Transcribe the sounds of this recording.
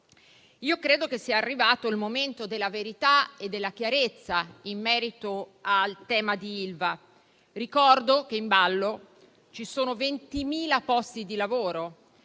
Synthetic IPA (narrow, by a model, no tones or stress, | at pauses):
iːokɾeːd̪okesːiaːrːivaːt̪oilmoment̪od̪elːaveɾit̪aed̪ːelːak̟jaɾet̪sːaimːɛːɾit̪oalt̪ɛːmad̪iilva | rikɔrd̪ok̟eimbalːo | t͡ʃisoːnovent̪imiːlapɔst̪id̪ilavoːɾo